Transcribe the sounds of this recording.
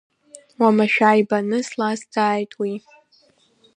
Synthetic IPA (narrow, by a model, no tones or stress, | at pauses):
wamaʃᶣaːjbanɨslasdʰaːjtʼwi